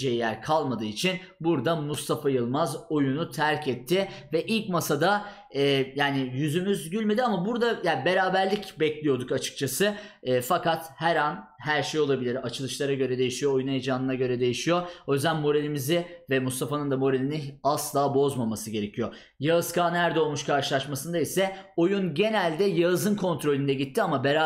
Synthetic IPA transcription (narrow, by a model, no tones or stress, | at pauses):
d͡ʒejijæɾkʰalˠmad̪ɯːit͡ʃʰin | buɾd̪amust̪ʰafajɯlˠmazo̞junut̪ʰæɾcʰɛt̪ʰːɪvɛʔilʲcmasad̪a | ɛːjaːnɪjyzymyzɟylʲmed̪iamabuɾd̪ajaːbe̞ɾaːbæɾlʲicbɛclʲijo̞d̪ukat͡ʃʰɯ̥k̚t͡ʃʰasɯː | fakat̪hɛɾanhæɾʃejo̞lˠabilʲiɾat͡ʃʰɯlˠɯʃlˠaɾaɟø̞ɾɛd̪e̞jiʃijo̞ojunejd͡ʒaːnɯnaɟø̞ɾɛd̪e̞jiʃijo̞o̞jyzd̪ænmo̞ɾelʲimizɪvɛmust̪ʰafanɯnd̪amo̞ɾeinɪaslˠaːbo̞zmamasɯɟe̞ɾe̞cʰijo̞ | jaɯzkʰaːnæɾd̪ɛo̞lˠmuʃkʰaɾʃɯlˠaʃmasɯnd̪aisɛo̞junɟe̞nælʲd̪ɛjaɯzɯnkʰo̞nt̪ɾo̞lʲynd̪ɛɟit̪ʰːiamabeɾa